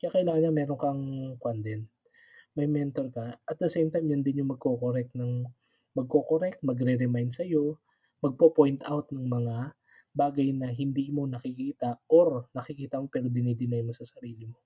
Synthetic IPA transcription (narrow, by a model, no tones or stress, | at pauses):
kɐakɐʔɪlaːŋɐnːamɛːɾoŋkɐŋkwɐnd̪ɛn | mɐjmɛnt̪oɾkɐʔɐt̪̚d̪ɐsɛjmt̪ajmjɐnd̪ɪnjʊŋmɐɡ̚ko̞koɾɛk̚t̪nɐŋ | mɐɡ̚ko̞koɾɛk̚t̪̚mɐɡɾɛɾɛmajnd̪sɐjo̞ | mɐɡ̚popojnt̪awt̪nɐŋmɐŋa | baːɡɐjnɐɦɪnd̪iːmo̞nɐkɪkiːt̪ɐʔoɾnɐkɪkiːt̪ɐmo̞pɛːɾo̞d̪ɪnid̪ɪnajmo̞sɐsɐɾiːlɪmo̞